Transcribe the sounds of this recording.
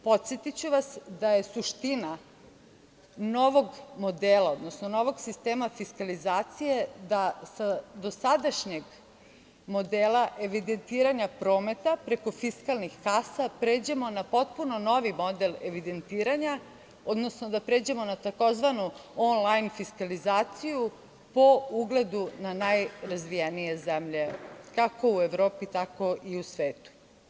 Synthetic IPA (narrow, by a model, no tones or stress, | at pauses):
po̞t̪sjet̪it͡ɕuʋasd̪aje̞suʃt̪ina | no̞ʋo̞ɡmo̞d̪eːlˠao̞d̪nosno̞no̞ʋo̞ɡsist̪eːmafiskalizaːt̪sije̞d̪asad̪o̞sad̪aʃɲe̞ɡ | mo̞d̪eːlˠaʔe̞ʋid̪e̞nt̪iːɾaɲapɾo̞ːme̞t̪apɾeko̞fiskalˠnixkasapɾeːd͡ʑe̞mo̞napo̞t̪̚puno̞no̞ʋimo̞d̪e̞leʋid̪e̞nt̪iːɾaɲa | o̞d̪no̞snod̪apɾe̞ːd͡ʑe̞mo̞nat̪ako̞zʋanuonlˠajnfiskalizaːt̪siju | po̞uɡle̞d̪unanajɾazʋijenije̞zemʎe̞kako̞ueʋɾo̞ːpit̪ako̞ʔiusʋeːt̪u̥